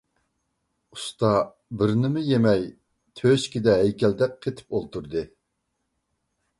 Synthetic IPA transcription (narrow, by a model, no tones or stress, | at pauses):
u̥st̪ɑ | bɪɾnɪmɪjemɛj | t̪ʰøʃkʲid̪ɛɦɛjkʲʰɛld̪ɛk̚ʲqʰet̪ʰɪ̥p̚olˠt̪uɾd̪ɨ